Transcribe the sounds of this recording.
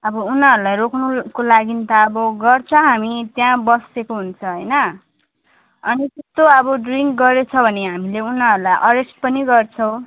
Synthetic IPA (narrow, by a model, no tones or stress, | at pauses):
ʌbʌunaɦʌɾulajrokʰnukolaɡint̪ʌːbʌɡʌrt͡sʰʌɦamit̪jãbʌsekoɦunt͡sʰʌɦʌjnʌ | ʌ̰nit̪est̪oʌbʌɖriŋkɡʌɾet͡sʰʌbʱʌneɦamileunʌɦʌɾulajʔʌɾesʈ̚pʌniɡʌrt͡sʰʌw̃